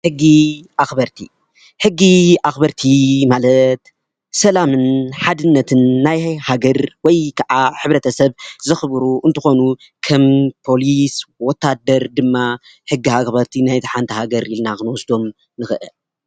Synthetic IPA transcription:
hɨɡːiʔaxbɐɾt̪ʰḭ | ħɨɡːiʔaxbɐɾt̪ʰimalɐt̪ | sɐlamɨnħad̪ɨnːɐt̪ʰɨnːajhaɡɐɾwɔjkʰɐʕaħɨβɾɐt̪ʰɐsɐβzɨxɨbɾuʔɨnt̪ʰɨxo̞nu | kʰɐmpʰo̞liswɔt̪ʰːad̪ɐɾd̪ɨmːa | hɨɡːihaxbɐɾt̪ʰinajt̪ʰiħant̪ʰɐhaɡɐɾilnakɨnwɔsd̪o̞m | nɨxɨʔɨ̰l

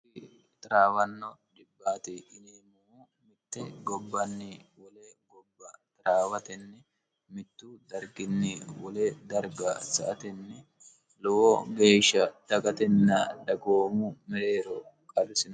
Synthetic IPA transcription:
t̪ʼɪɾaːwɐnːɔd̪ɪbːaːt̪ɪɪleːmɔ | mɪt̪ːɛɡɔbːɐnːɪwɔlɛɡɔbːɐt̪ʼɪɾaːwɐt̪ɛnːɛ | mɪt̪ːʊd̪ɐɾɡɪnːɪwɔlɛd̪ɐɾɡɐsɐ̰ʔɐt̪ɛnːɛ | lɔwɔɡe̞ːʃːɐd̪̥ɐkʼɐt̪ɛnːɐd̪ɐɡoːmʊmɛɾe̞ːɾɔkʼɐlɪsɪn

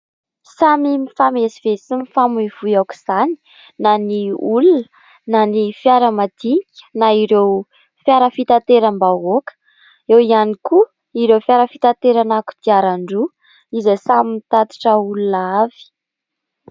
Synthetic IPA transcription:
samimifamesiv̥esimifamuiv̥ujaku̥z̥ani̥ | naniulunə | nanifjaɾəmad̪̥ikʲə̥naiɾew | fjaɾəfit̪at̪eɾəmbaɦokə̥ | ewianiku | iɾewfjaɾəfit̪at̪eɾanaku̥d̪̥iaɾaɳɖ͡ʐu | izasamimit̪at̪i̥ʈ͡ʂəulunav̥i̥

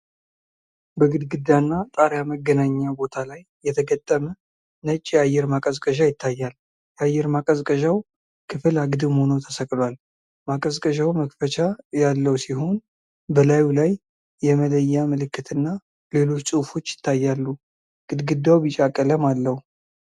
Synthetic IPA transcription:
bəɡɨd̪ɡɨd̪ːanːat̪ʼaɾjaməɡːənaɲːabo̞t̪ʰalajːɛt̪ʰəɡət̪ʼːəmə | nət͡ʃʼːjajːɛɾmakʼəzkʼəʒajɪt̪ʰːajːal | jajːɛɾmakʼəzkʼəʒaw | kʰɨfɨlaɡd̪ɨməho̞not̪ʰəsəkʼlwal | makʼəzkʼəʒawməkfət͡ʃʰajalːəwsiɦo̞n | bəlajulajː | ɛmələjːamɨlɨkːɨt̪ʰɨnːa | le̞lo̞t͡ʃːsʼufo̞t͡ʃːjɪ̥t̪ʰːajːalːu | ɡ̥ɨd̪ɡɨd̪ːawbit͡ʃʼakʼələmalːəhu

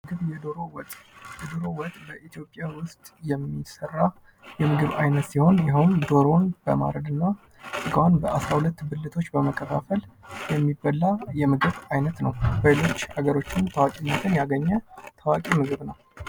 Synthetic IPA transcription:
ɨɡɨβjɛd̪oɾowt̪ʼjɛd̪oɾo̞wɔt̪ʼbəʔit̪ʰjo̞pʼːjawʊst̪ʼjɛmːisərːa | jɛmɨɡɨβajnət̪siho̞njɛɦond̪o̞ɾo̞nbəma̰ɾəd̪ɨnːa | sʼɨɡawanbəʔasɾahulət̪ːbɨlːɨt̪ʰo̞t͡ʃːbəməkʰːəkʰafəljɛmːibːəlːajɛmɨɡɨβajnət̪nəwbəjelo̞t͡ʃːhaɡəɾo̞t͡ʃːɪnt̪ʰəwakʼeɲːat̪ʰɨnjaɡəɲːət̪ʰəwakʼimɨɡɨβnəw

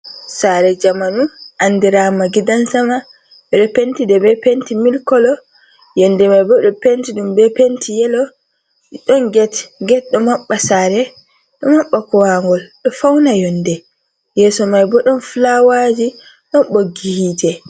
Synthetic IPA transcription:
saɾɛd͡ʒamanuʔandiɾamaɡidansama | ɓɛɗɔpentidɛbɛpentimilkɔlɔ | jɔnːdɛmajbɔɗɔpentiɗumbɛpentʰijɛlɔ | ɗɔnɡɛtŋɡɛt̚ɗɔmaɓːasaːɾɛ | ɗɔmaɓːakɔwaŋɡɔlɗɔfawnajɔndɛ | jɛːsɔmajbɔɗɔnflawad͡ʒi | ɗɔnɓoɡːihiːtɛ

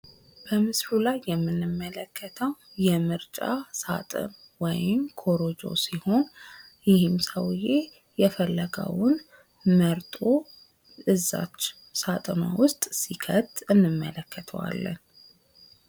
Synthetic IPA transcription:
b̥əmɨsɾulajːɛmːɨnːɨmːələkʰːət̪ʰəwjɛmɨɾt͡ʃʼasa̰t̪ʼɨ̰n | wɔ̰jɪmkʰoɾod͡ʒo̞̰siho̞n | jɪhɨmsəwje | jɛfəlːəɡə̰wʊn | məɾt̪ʼo | ɨzːa̰t͡ʃː | sat̪ʼəna̰wʊst̪ʼsikʰət̪ɨnːɨmːələkːət̪ʰə̰wa̰lːə̰n

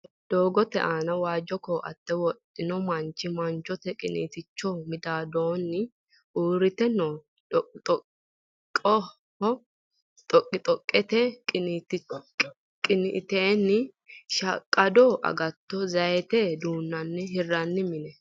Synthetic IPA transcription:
d̪̥o̞ːɡɔt̪ɛ̰ʔaːnɐwaːd͡ʒːɔkɔʔɐ̰t̪ːɛwɔᶑʼɪnɔmɐnt͡ʃːɪmɐnt͡ʃːɔt̪ɛkʼɪnḭːt̪ɪt͡ʃːɔmɪd̪aːd̪oːnːɪ | uːɾɪt̪ɛnːɔ | t̪ʼɔ | kʼːɔ | hɔ | t̪ʼɔkʼːɪt̪ʼɔkʼːɛt̪ɛt̪ɪ | kʼɪnɪʔt̪eːnːɪ | ʃɐkʼːɐd̪ɔʔɐ̰ɡɐt̪ːɔzɐjɛt̪ɛd̪uːnːɐnːɪɦɪrːɐnːɪmɪnɛ

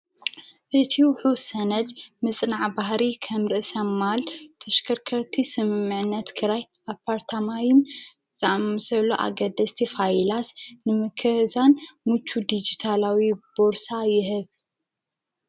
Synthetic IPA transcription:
ʔɨt̪ʰiwħusɐnɐd͡ʒmɨt͡sʼnaʕbahɾikʰɐmɾɨʔsɐmːalt̪ʰɐʃkʰɐɾkʰɐɾt̪ʰisɨmɨmːɨʕnːɐt̪kʰɨɾaj | apʰːaɾt̪ʰamajɪn | t͡sʼaʔmsɐlːoʔa̰ɡɐd̪ɐst̪ʰifajlasnɨmɨkʰɨhzanmut͡ʃʰːud̪id͡ʒit̪ʰalawib̥oɾsajɪɦɨβ

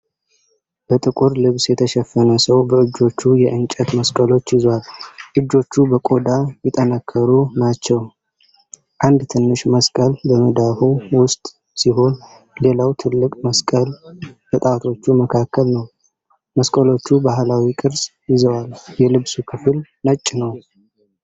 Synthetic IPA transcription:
b̥ət̪ʼɨkʼuɾlɨβsjɛt̪ʰəʃɛfːənəsəwbəɨd͡ʒːo̞t͡ʃːujɛʔɨnt͡ʃʼɛt̪məskʼəlo̞t͡ʃːjɪzwalʔɨd͡ʒːo̞t͡ʃːubəkʼo̞d̪ajɪt̪ʼənəkʰːəɾunat͡ʃːɛw | ʔand̪t̪ʰɨnːɨʃməskʼəlːəməd̪ahuwʊst̪ʼ | siɦo̞n | le̞lawt̪ʰɨlːɨkʼməskʼəlt̪ʰət̪ʼat̪ʰo̞t͡ʃːuməkʰakʰːəlnəw | məskʼəlo̞t͡ʃːubaɦlawikʼɨɾsjɪzəwaljɛlɨβsukʰɨfɨlnət͡ʃʼːɪnəw

